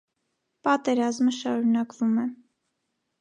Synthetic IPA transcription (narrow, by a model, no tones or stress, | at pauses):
pɑt̪ɛɾɑzməʃɑɾunɑkvumɛ